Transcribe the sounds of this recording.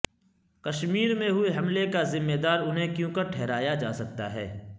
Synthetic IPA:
kɐʃmiːɾmẽɦʊeɦɐmlekazɪmːed̪aːɾʊnɦẽkjũːkaʈʰɛɦɾaːjad͡ʒaːsɐk̚t̪a̰ɦɛ̰ː

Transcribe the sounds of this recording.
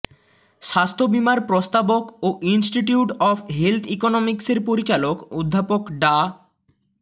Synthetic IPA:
ʃast̪ʰobimaɾpɾost̪abokoʔinsʈiʈiuʈɔfʰɦelt̪ʰikonomikseɾpoɾit͡ɕalokod̪ʱːapokɖa

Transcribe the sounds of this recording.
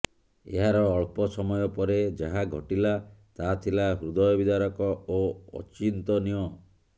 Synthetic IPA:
ḛɦaɾɔːɭpɔsɔmɔjɔpɔɾed͡ʒaɦaɡʱɔʈilat̪at̪ʰilaɦɾud̪ɔjɔbid̪aɾɔkɔoɔ̰t͡ʃint̪ɔniɔ

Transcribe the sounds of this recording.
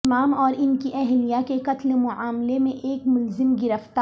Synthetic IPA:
maːmɔːɾɪnkiʔɛɦlijakekɐt̪lmʊʕaːmlemẽʔeːkmʊlzɪmɡɪɾəft̪a

